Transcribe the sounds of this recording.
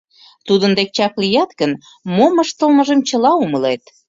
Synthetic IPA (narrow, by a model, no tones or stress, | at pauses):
t̪ud̪ənd̪ek̚t͡ɕɑklijɑt̪ɣən | moməʃt̪əlmə̆ʒə̆mt͡ɕə̆lɑuməlet̪